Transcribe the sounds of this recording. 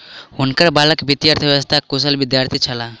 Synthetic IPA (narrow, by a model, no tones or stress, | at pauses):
ʊnkəɾbaləkbit̪iəɾt̪ʰəʋjst̪ʰakʊs̬əlbɪd̪jaːɾt̪ʰit͡ʃʰəla